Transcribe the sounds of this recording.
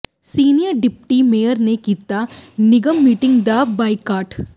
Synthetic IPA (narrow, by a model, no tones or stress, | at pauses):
siːnijəɾɖɪpʈimeːjəɾnekiːt̪anɪɡəmːiːʈɪ̃ŋɡd̪abaːikaːʈ